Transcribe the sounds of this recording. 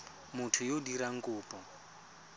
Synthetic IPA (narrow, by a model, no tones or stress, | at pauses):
mʊtʰʊjodiɾaŋ̩kʼʊːpʼɔ